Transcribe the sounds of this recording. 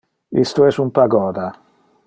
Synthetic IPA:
ist̪uɛsumpaɡɔːd̪a

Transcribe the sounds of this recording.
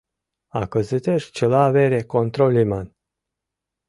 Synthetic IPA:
akəzɨt̪eʃt͡ʃelaveɾekont̪ɾolʲiman

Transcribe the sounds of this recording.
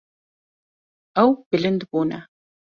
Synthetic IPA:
ɐwb̥ɨɮɨnd̪boːna̰

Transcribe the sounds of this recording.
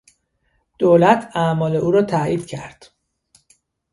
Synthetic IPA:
d̪̥oːlæt̪ʰæmɒːle̞ʔuːɾɒːt̪ʰæiːd̪̥cʰæ̰ɾd̪̥

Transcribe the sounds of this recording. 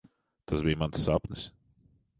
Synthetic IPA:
t̪asbijmansːapnɪs

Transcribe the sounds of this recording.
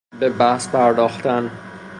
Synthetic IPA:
bebæhspʰæɾd̪ɒːxt̪æn

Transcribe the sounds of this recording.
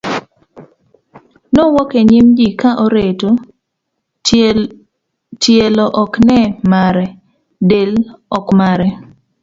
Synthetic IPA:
nowɔkeɲimd͡ʒikaʔoɾeto | tjelɔʔɔknɛmaɾɛ | delɔkmaɾɛ

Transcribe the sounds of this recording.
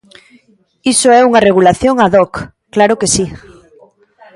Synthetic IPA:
isoɛuŋareɣ̞ulaθjoŋaðɔk | klaɾokesi

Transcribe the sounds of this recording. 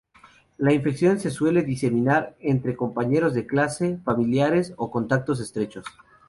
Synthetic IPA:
laiɱfe̞ksjo̞nse̞swe̞le̞ðise̞mĩnaɾent̪ɾe̞ko̞mpaɲe̞ɾo̞zðe̞klase̞familjaɾe̞soko̞nt̪ak̚t̪o̞s̬est̪ɾe̞t͡ʃo̞s

